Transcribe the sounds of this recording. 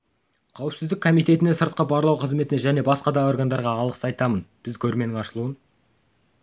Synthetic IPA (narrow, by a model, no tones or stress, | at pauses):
qʰɑwɪpsɪzd̪ɪkʰo̞mijt̪e̞t̪ɪne̞səɾt̪̚qɑbɑɾlˠɑwqʰəzmet̪ɪneʒæne̞bɑsqɑd̪ɑo̞rɡand̪ɑɾʁɑːlˠəqsɑjt̪ɑmənb̥ɪzkʲʰɵɾme̞nɪŋɑʃəlˠuən